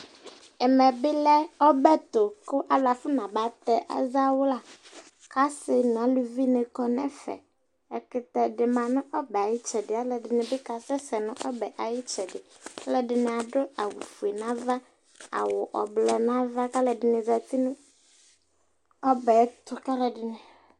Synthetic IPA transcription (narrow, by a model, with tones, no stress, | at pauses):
ɛ˨mɛ˨bɪ˦lɛ˦ɔ˦bɛ˦t̪ʊ˨kʊ˦ʔa˨la˨fʊ˦nã˨ba˨t̪ɛ˨ʔa̰˨za˦wʊ˦la˨ | ka˦sɪ˦nʊ̃˨a˨lu˨vi˦nɪ̃˨kɔ˨nɛ˦fɛ̰˨ | ɛ˨kɪ˨t̪ɛ˨ɖɪ˨mã˨nʊ̃˦ʔɔ˦bɛ˨a˨jɪ˦t͡ʃɛ˨dɪ˨a˦lɛ˨dɪ˨nɪ̃˨bɪ˦ka˨sɛ˦sɛ˨nʊ̃˦ʔɔ˦bɛ˨ʔa˨jɪ˦t͡ʃɛ˨dɪ˨ | a˦lɛ˨dɪ˨nɪ̃˨a˨dʊ˦a˨wi˨fu˨e˨nã˦va˦ | a̰˨wʊ˨ʔɔ˨blɔ˨nã˦va˦ka˦lɛ˨dɪ˨nɪ̃˨za˨t̪i˦nʊ̃˦ | ɔ˦bɛ˨˦t̪ʊ˨ka˦lɛ˨dɪ˨nɪ̃˨